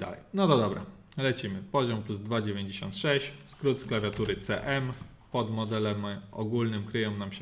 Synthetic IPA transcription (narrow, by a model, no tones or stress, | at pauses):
d̪a̰lɛ̰jnɔt̪ɔd̪ɔbɾa̰ | lɛt͡ɕimɘpɔʑɔmpluzd̪vad͡ʑevʲjeɲd͡ʑeɕɔ̰nt̪ʂɛɕt͡ɕskɾut̪sklavʲjat̪uɾɘt̪sɛ̰ʔɛm | pɔd̪mɔd̪ɛlɛmɔ̰ɡulnɘmkɾɘjɔ̃w̃namɕɛ